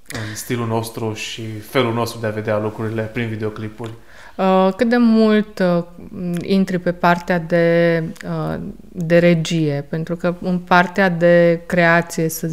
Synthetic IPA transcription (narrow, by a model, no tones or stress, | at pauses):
ɨnst̪ilulno̞st̪ɾuʃife̞lulno̞st̪ɾud̪eave̞d̪ealukɾuɾile̞pɾinvid̪eo̞klipurʲ | əkɨt̪̚d̪e̞mult̪ | int̪ɾipe̞part̪ead̪e̞ə | d̪e̞ɾe̞d͡ʒije̞pe̞nt̪ɾukəɨnpart̪ead̪e̞kɾe̞at̪sije̞sə